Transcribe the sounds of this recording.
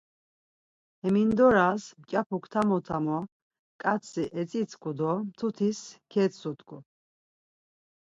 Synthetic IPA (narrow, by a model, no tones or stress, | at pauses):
ɛmind̪ɔɾasmt͡ʃʼapʰukʰt̪ʰamɔt̪ʰamɔ | kʼat̪t͡sʰiʔɛt͡sʼit͡sʰkʰʼud̪ɔmt̪ʰut̪ʰiskʰɛt̪sut̪ʼkʰʼu